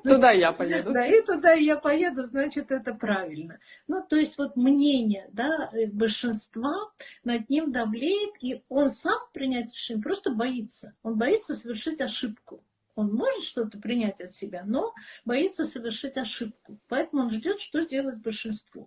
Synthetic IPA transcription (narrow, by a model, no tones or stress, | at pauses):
t̪ʊd̪ajapɐj̪d̪aɪt̪ʊd̪ajapɐjed̪ʊznat͡ɕɪt̪ɛt̪əpɾavʲɪlʲnənut̪o̞ɪsʲtʲvo̞t̪̚mnʲenʲɪjəd̪aəbəlʲʂɨnst̪vanɐd̪̚nʲimd̪ɐvlʲejɪt̪io̞nsampɾʲɪnʲætʲɾʲɪ̥ʂɛnʲɪjəpɾo̞st̪əbɐit̪sːəo̞nbɐit̪sːəsəvʲɪrʂɨtʲɐʂɨpkʊ | o̞nmo̞ʐɨt̪ʂt̪o̞t̪əpɾʲɪnʲætʲɐt̪sʲɪbʲano̞bɐit̪sːəsəvʲɪrʂɨtʲɐʂɨp̚kʊpɐɛt̪əmʊonʐdʲo̞t̪ʂt̪o̞dʲelˠət̚ʲbəlʲʂɨnst̪vo̰